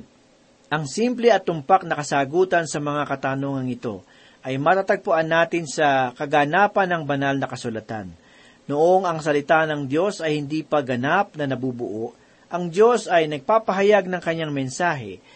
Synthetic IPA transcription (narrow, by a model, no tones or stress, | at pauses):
ʔɐŋsimplɛʔɐt̪ːʊmpak̚nɐkɐsaːɡuːt̪ɐnsɐmɐŋakɐt̪aːnoːŋɐŋɪt̪o̞̰ | ʔɐjmɐt̪aːt̪ɐɡ̚pʊʔanːaːt̪ɪnsɐkɐɡaːnaːpɐnɐŋbɐnalnɐkɐsʊlɐt̪a̰nː | oʔoŋɐŋs̬ɐlɪt̪anɐŋd̪jo̞sɐjhɪnd̪iːpɐɡɐnap̚nɐnɐbuːbʊ̰ʔoʔ | ʔɐŋd̪jo̞sɐjnɐɡ̚paːpɐɦɐjaɡ̚nɐŋkɐɲːaŋmɛnsaːɦɛ̰